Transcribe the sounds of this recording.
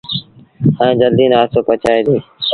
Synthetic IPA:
ə̃ẽːd͡ʒəld̪iːnaːsoːpət͡ʃaːeːd̪iː

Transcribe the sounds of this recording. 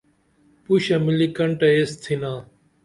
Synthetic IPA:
puɕɐmɪliːkəɳʈɐest̪ʰinãː

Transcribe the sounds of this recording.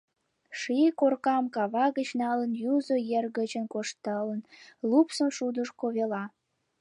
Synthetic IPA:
ʃikorkɑmkɑβɑɣət͡ɕnɑlənjuzojerɣət͡ɕənkoʃt̪ələnlupsə̆mʃud̪əʃkoβelɑ

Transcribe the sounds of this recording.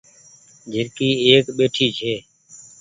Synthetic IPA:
d͡ʒʱɪɾkiːeːkɓeːʈʰiːt͡ʃʰeː

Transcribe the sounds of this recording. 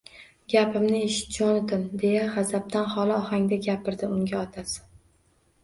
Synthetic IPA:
ɡʲapɪmnɪeʃɪ̥t̪̚d͡ʒɒnd̪ɪmd̪e̞jaχazab̚t̪anχɒlˠɪɒhaŋd̪aɡʲapʰɪɾd̪ɪʊŋɡʲaɒt̪ʰasɪ̥

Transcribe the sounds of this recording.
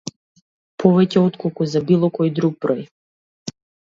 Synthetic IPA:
pʰɔʋɛcʲɛɔt̪kɔlˠkuzabilˠɔkɔjd̪ɾuɡ̚bɾɔj

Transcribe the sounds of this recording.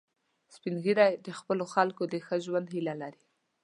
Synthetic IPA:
spinɡiɾajd̪əxpəloxalkod̪əxəʒwand̪hilalaɾi

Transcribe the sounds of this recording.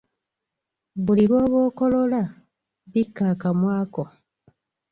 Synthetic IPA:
βuliɾwo̞ːβo̞ːko̞lo̞la | βikːaːkamwaːko

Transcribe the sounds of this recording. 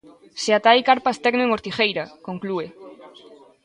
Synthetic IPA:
seat̪ajkaɾpast̪ɛɡneŋoɾt̪ixejɾakoŋklue

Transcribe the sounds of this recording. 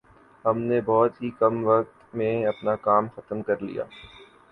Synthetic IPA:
ɦɐmnebɔːt̪ɦikɐmʋɐk̚t̪mẽɐpnakaːmxɐt̪əmkɐɾlḭja̰ː

